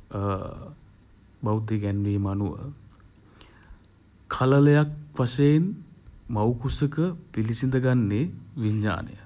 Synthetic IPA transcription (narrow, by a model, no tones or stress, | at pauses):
bawd̪iɡɛnːʋeːmanuʋə̰ | kʰalələjakʋasejenmawkusəkəpilisind̪əɡanːeʋiɲːa̰ːnə̰jə